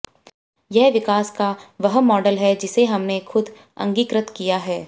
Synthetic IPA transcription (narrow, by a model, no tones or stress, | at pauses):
jɛɦʋɪkaːskaʋɐɦmɔːɖəlɦɛd͡ʒɪseɦɐmnexʰʊd̪ʱ | ɐ̰̃ŋɡiːkɾət̪kijaɦɛː